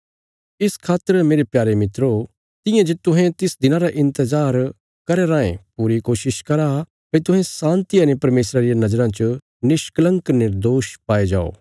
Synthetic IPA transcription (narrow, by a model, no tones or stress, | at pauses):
ɪskʰaːt̪ːəɾmeːɾepjaːɾemɪt̪ɾo | t̪ɪ̃jãd͡ʒet̪ʊɦɛ̃t̪ɪsd̪ɪnãɾaʔɪ̃nt̪əzaːɾ | kɐɾeɾãːḛ̃puːɾikoːʃɪʃkɐɾa | pet̪ʊɦɛ̃sãːnt̪ianepɐɾmeːsɾaɾijanɐd͡ʒəɾãt͡ʃ | nɪʃklɐ̃ŋɡknɪɾd̪oːʃpaːed͡ʒa̰ːo̰ː